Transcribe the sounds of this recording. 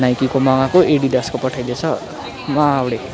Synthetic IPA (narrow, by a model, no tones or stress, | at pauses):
najkikomaŋakoʔeɽid̪ʌskopʌʈʰajlet͡sʰʌ | mawɽe